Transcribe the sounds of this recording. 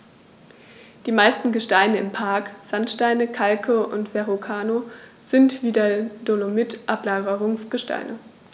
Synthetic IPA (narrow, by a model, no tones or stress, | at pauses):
d̥iːmaɪstn̩ɡəʃtaɪnəɪmpʰaɐkz̥antʃtaɪnəkʰalkʰəʔʊ̰ntv̥ɛʁokʰaːno | z̥ɪntv̥iːdadolomɪtʔaplaːɡəʁʊŋsɡ̥əʃtʰa̰ɪnʔə